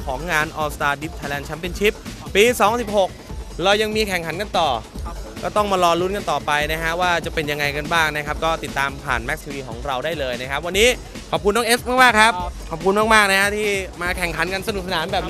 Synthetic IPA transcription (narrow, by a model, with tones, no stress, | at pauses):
kʰɔː˩˦ŋːaː˧nʔɔː˧st̪aː˧di˦˥p̚t̪ʰaː˧jlɛː˧nt͡ɕʰa˦˥npe˧nt͡ɕʰi˦˥p̚ːiː˧sɔː˩˦ŋsi˨˩p̚ho˨˩k̚ɾaː˧wja˧ŋmiː˧kʰɛ˨˩ŋkʰa˩˦nka˧nt̪ɔː˨˩kɔː˥˩t̪ɔ˥˩ŋmaː˧lɔː˧lu˦˥nka˧nt̪ɔː˨˩pa˧jna˦˥kʰa˦˥ʔwaː˥˩t͡ɕa˨˩pe˧nja˧ŋːa˧jka˧nbaː˥˩ŋna˦˥kʰa˦˥p̚kɔː˥˩t̪i˨˩t̪ːaː˧mpʰa̰ː˨˩nmɛ˦˥k̚t̪ʰi˧wiː˧kʰɔː˩˦ŋɾa˧wdaː˥˩jlɤː˧jna˦˥kʰa˦˥p̚wa˧nːiː˦˥ | kʰɔː˨˩p̚ku˧nːɔː˧˥ʔe˦˥smaː˥˩k̚maː˥˩kʰa˦˥p̚kʰɔ˨˩p̚kʰu˧nmaː˥˩k̚maː˥˩k̚na˦˥kʰa˦˥t̪ʰiː˥˩maː˧kʰɛ˨˩ŋkʰa˩˦nka˧nsa˧nu˨˩k̚sa˧naː˩˦mbɛː˨˩p̚ː